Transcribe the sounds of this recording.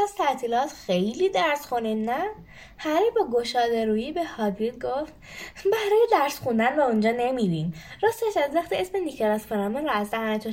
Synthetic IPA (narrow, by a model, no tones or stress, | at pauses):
æz̥t̪ʰæt̪ʰiːlɒːt̪xe̞jlid̪æɾsxuninæ | hæɾebɒːɡoʃɒːd̪eɾuːjiːbehɒd̪id̪̚ɡoft̪̚ | bæɾɒːjed̪æɾsxund̪ænvæund͡ʒɒːnemibinɾɒst̪eʃæzvæχt̪iesmenicʰɑɾɒsfeɾæmeɾɒæzæmæt̪ʰo